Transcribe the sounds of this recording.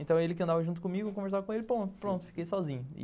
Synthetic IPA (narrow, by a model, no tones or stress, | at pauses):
ẽnt̪ɐ̃w̃elɪk̬ɪɐ̃nd̪avɐʒũt̪ʊ̥kõmiɡʊkõveɾs̬avɐkõelɪpɾõnt̪ʊ̥pɾõt̪ʊ̥fi̥kejsɔzĩɲʊḭ